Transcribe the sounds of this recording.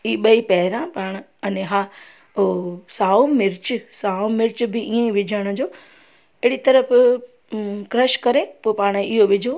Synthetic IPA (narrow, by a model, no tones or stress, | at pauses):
iːɓɐipɛɦɪɾãpaːɽ̃ | ɐnɦa | saːomɪɾt͡ɕsaːomɪɾt͡ɕbɪiːẽʋɪd͡ʑʱəɽ̃̆d͡ʑoː | ɪɪɽit̪ɐɾəf | kɾɐʃkɐɾepoːpaːɽ̃ɪɦoʋɪd͡ʑʱo